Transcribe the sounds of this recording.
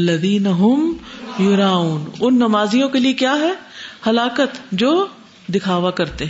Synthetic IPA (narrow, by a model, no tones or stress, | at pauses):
lːɐðiːnɐɦʊmjʊɾaːuːnʊnːɐmaːzijõkeliekjaːɦɛːhɐlaːkət̪d͡ʒoː | d̪ɪkʰaːʋakɐɾt̪eɦɛ̃